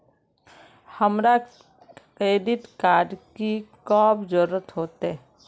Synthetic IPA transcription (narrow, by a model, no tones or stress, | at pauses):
həmɾa | kɾeːɖɪʈkaːɾɖkikɔːbd͡ʒʊɾːət̪ɦoːt̪e